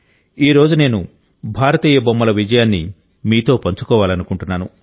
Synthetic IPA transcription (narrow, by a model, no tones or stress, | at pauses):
iːɾo̞ːd͡ʒune̞ːnu | bʱaːɾɐt̪iːjɐbɐmːɐlɐʋid͡ʒɐjaːnːi | miːt̪o̞ːpɐɲt͡ʃu̥kɔːʋaːlɐnukuɳʈunːaːnu